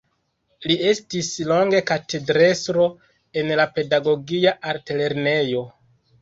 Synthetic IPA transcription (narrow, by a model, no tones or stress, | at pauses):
lie̞stislo̞ŋɡe̞katʰe̞dɾe̞sɾo̞ | e̞nlape̞daɡo̞ɡiaʔaɾtele̞ɾne̞jo̞